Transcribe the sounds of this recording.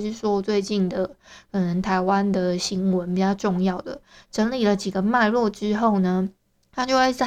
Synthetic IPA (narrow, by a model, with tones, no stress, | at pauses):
ʂy˥˩ʂwɔ˦t͡swe˥˧ɪt͡ɕi˥˩nd̪ə˩kʰɤ˨˩nə˧˦ŋt̪ʰa˧˥ɪwa˦nd̪ə˨ɕi˧˥ŋwə˧˦np̬i˨˩t͡ɕjɑ˥˧ʊʈ͡ʂʊ˥˧ŋjɑ˥˩ʊd̪ə̰˩ʈ͡ʂə˧˥nli˨˩lə˨t͡ɕi˨˩ɡə˨ma˥˧ɪlwɔ˥˩ʈ͡ʂɻ̩˥xo˥˩ʊnə˩ | t̪ʰa˥t͡ɕjo˥˧ʊ˥˩˥